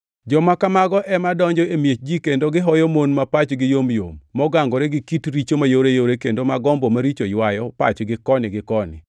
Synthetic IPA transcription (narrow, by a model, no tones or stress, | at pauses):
d͡ʒɔmakamaɡɔʔɛmadɔɲd͡ʒɔemjet͡ʃd͡ʒikendoɡɪɦɔjɔmonmapat͡ʃɡɪjomjo̰mːɔɡaŋɡɔɾeɡɪkitɾit͡ʃomajoɾejoɾekendomaɡɔmbomaɾit͡ʃojwajɔpa̰t͡ʃɡɪkɔnɪɡɪkɔnɪ̰